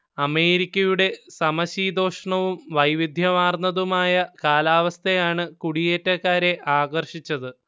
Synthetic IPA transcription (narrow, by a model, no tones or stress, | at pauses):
ɐme̞ːɾikʲːɐjuɽe̞sɐmɐɕiːd̪o̞ːʂɐɳɐʋumʋɐjʋid̪ʱjɐmaːrnɐðumaːjɐkaːlaːʋɐst̪ʰejaːɳɨkuɽijeːtːɐkːaːɾe̞ʔaːɣɐrʂit͡ɕːɐðɨ